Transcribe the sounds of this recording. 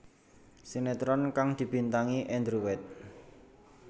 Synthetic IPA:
senet̪ɾɔnkaŋd̪̥i̤b̥i̤nt̪aŋiʔɛnd̪ɾuwɛt̪̚

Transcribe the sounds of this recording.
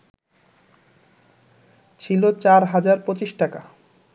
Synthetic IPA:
t͡ɕʰilot͡ɕaɾɦad͡ʑaɾpɾot͡ɕiʃʈaka

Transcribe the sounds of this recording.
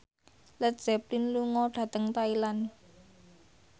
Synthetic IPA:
lət̚z̥ɛplinluŋɔɖ̥a̤t̪əŋt̪ailan

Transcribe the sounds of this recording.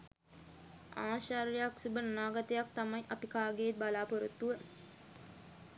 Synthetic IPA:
aːʃaɾjejaksubənnaːɡat̪əjak̚t̪amɐjʔɐpikaːɡeːt̪̚balaːpoɾut̪ːuʋə

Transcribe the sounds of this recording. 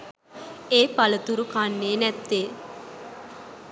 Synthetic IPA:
eːpalət̪uɾukanːeːnɛt̪ːeː

